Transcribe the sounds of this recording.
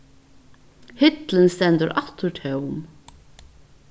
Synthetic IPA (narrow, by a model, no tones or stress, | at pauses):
hɪt̪lɪnst̪ɛnt̪əɾʔɑht̪ʊɹt̪ʰɛwm